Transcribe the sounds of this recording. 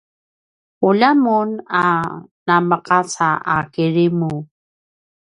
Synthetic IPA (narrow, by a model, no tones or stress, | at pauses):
ulamunanaməqasaakiɻimu